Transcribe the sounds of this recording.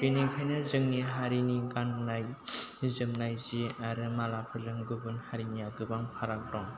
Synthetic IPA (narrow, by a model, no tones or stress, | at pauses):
benikʰajnɯzɯŋniɦaɾiniɡannajzɯmnajziaɾɯmalapʰɯɾlɯŋɡɯbɯnhaɾinijaɡɯbaŋpʰaɾak̚ɾɔŋ